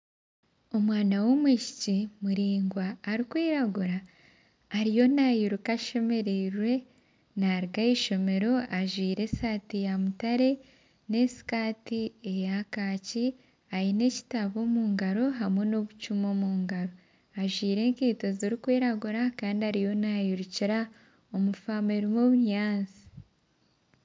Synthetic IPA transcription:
o̞mwaːnawo̞mwiːʃicimuɾiːŋɡwaːɾikwiːɾaɡuɾaː | ɾijo̞najiɾukaʃe̞me̞ɾeɾwe̞ | naɾiɡajiʃo̞me̞ɾo̞aʒwiːɾe̞satijamutaɾe̞ | ne̞si̥kaːtiejakaːci | ajine̞ci̥taβo̞ːmuːŋɡaɾo̞ɦamwe̞no̞βut͡ʃumo̞muːŋɡaɾo̞ | aʒwiːɾe̞ːŋkiːto̞ziɾikweːɾaɡuɾakaːndiaɾijo̞najuɾuciɾa | omufaːmeɾimoβuɲaːnzi̥

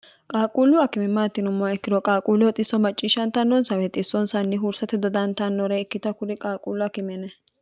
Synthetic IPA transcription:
kʼaːkʼuːlʊɐkɪmɪmːaːt̪ːɪnʊmːɔwɛkːɪd̪ɔkʼaːkʼuːlʊwɔt̪ʼɪsːɔmɐt͡ʃʼːiːʃɐnt̪ɐnːɔnsɐwɛt̪ʼɪsːɔnsɐnːɪɦuːɾsɐt̪ɛd̪ɔd̪ɐnt̪ɐnːɔɾɛɪkːɪt̪ɐkʊd̪ɪkʼaːkʼuːlʊɐkɪmɛnɛ

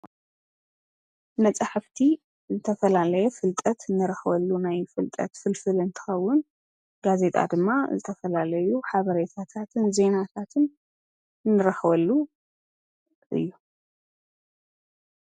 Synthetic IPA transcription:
nɐt͡sʼaħaft̪ʰi | zɨt̪ʰɐfɐlalɐjɛfɨlt̪ʼɐt̪ɨnːɨɾɐxβɐlːunajfɨlt̪ʼɐ̰t̪fɨlfɨlɨnt̪ʰɨ̥xɐwːʊn | ɡ̥aze̞t̪ʼa̰d̪ɨmːazɨt̪ʰɐfɐlalɐjuħaβɐɾet̪ʰat̪ʰat̪ʰɨnze̞nat̪ʰat̪ʰɨn | nːɨɾɐxβɐlːu | ʔɨ̰jːu

